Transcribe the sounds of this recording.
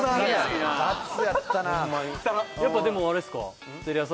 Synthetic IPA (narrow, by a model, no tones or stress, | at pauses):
aiasɨjat̪ːanat̪ajapːad̪e̞moaɾɯsɨ̥ka̰ | t̪eɾʲias̬